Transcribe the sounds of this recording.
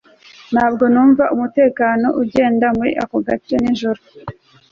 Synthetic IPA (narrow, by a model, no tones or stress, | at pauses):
n̥haːb̚ɡo̞nuːɱvaʔumute̞ːkaːno̞̰ʔuɟe̞ːndamuwḭʔa̰koɡat͡ʃeniʒuɾu